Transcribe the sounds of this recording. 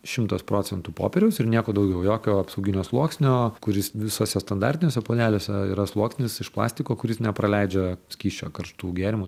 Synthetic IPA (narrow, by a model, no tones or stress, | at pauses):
ʃʲɪmt̪ɐspɾoːt͡s̪ʲɛnt̪uːpo̰ːpʲɛɾʲɛʊsɪɾnʲiɛkoːd̪ɐʊɡʲɛʊjoːkʲoːɐpsɐʊɡʲɪnʲoːslˠuɔksʲnʲoːkʊɾʲɪsʋʲɪsoːsʲɛst̪ɐnd̪ɑɾʲt̪ʲɪnʲoːsʲɛpoːd̪ʲæːlʲoːsʲɛḭːɾɐslˠuɔksʲnʲɪsɪʃplˠɑ̰ːsʲt̪ʲɪkoːkʊɾʲɪsnʲɛpɾɐlʲɛɪd͡ʒʲɛsʲkʲiːʃʲt͡ʃʲo̰ːkɐrʃt̪uːɡʲeːɾʲɪmu